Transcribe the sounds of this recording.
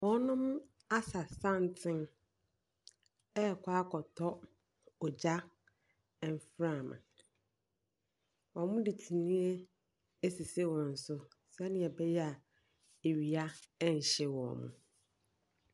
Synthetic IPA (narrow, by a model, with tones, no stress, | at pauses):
wɔ˨˦nʊ̃˦m˦ | a˦sa˨sã˦n˦tʰɪ̃˦n | ɛ˦˨kʷʰa˦kʰɔ˨tʰɔ˦ | ɔ˨d͡ʑa˦ | ɛ˨m˨fɾã˦˨mã̰˨ | wɔ̃˨mʊ̃˦di˨tʰi˨nĩ˦e˦ | e˦si˨se˦wɔ̃˨n̩˨sʊ˦ | sɛ˦nɪ̃˨ɛ˨bɛ˦jɛ˦a˨ | e˨ɥi˨a˦ɛ˦ɲ̩˨ɕɛ˦wɔ̰̃˨mʊ̰̃˨